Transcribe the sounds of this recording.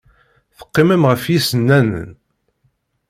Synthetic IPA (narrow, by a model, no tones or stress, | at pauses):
θə̥qːɪməmʁəfjisənːænə̰n